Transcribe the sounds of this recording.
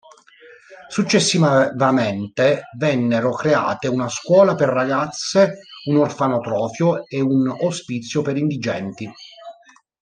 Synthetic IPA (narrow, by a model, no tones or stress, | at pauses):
sut͡ʃːesːivavament̪evɛnːeɾokɾea̰ːt̪eunaskwɔːlaperːaɡat̪sːeunorfanot̪ɾɔːfjoeunaspit̪sːjopeɾind̪id͡ʒɛ̰nt̪i